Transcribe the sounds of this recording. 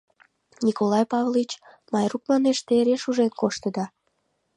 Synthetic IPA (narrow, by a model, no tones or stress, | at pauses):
nʲikolɑjpɑvlit͡ɕ | mɑjruk̚mɑneʃt̪eɾeʃuʒenkoʃt̪əd̪ɑ